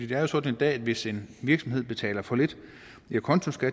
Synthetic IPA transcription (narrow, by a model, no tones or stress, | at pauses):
ḭːd̥eæɐjo̝sɒ̽d̥n̩e̝nd̥ɛ̰ːd̥ʋe̝se̝nʋiɐɡ̥sɒmɦe̝ð̞̰ˠb̥e̝t͡sʰɛ̰ːlɐfɒ̽le̝d̥ | ækʰɒ̽nt͡sʰosɡ̥æ